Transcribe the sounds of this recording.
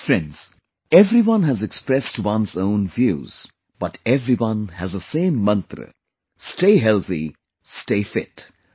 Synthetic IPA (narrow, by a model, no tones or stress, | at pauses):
fɾɛ̃nɖz̥ | ɛvɾiwʌ̃nɦæzɛkspɾɛstwʌ̃nsõʊ̃nvjṵːz̥ | b̥ʌʈɛvɾiwʌ̃nhæzəsẽːmːʌ̃nt̪ɾə̰ | sʈeɪɦɛlˠt̪ḭ | sʈeɪfɪt